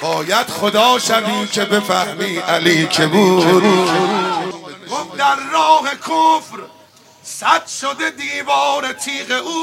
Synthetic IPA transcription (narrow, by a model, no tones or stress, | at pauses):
bɒːjæd̪̥χod̪ɒːʃæviːkʰe̞be̞fæhmiːʔæliːkʰebu | ɡ̥ofd̪æɾːɒːhekʰofɾ | sæd̪ʃod̪ed̪iːvɒːɾet̪ʰiːɣeʔuː